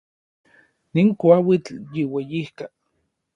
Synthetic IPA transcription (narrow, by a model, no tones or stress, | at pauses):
niŋkwawit͡ɬjiwejihka